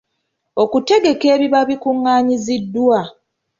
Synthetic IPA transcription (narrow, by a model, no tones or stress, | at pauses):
o̞kute̞ɡe̞ke̞ːβiβaβikuŋːaːɲizidːwa